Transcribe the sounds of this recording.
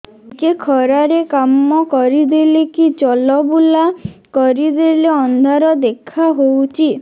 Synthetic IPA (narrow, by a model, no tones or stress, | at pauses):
kekʰɔɾaɾekamːɔkɔɾid̪elekit͡ʃɔlɔbulakɔɾid̪eleɔnd̪ʱaɾɔd̪ekʰaɦowt͡ʃʰi